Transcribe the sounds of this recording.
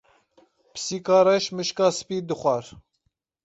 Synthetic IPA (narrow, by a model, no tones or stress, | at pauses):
psiːkɑːɾɛʃmɨʃkɑːsɨ̥piːd̪ɨxʷɑɾ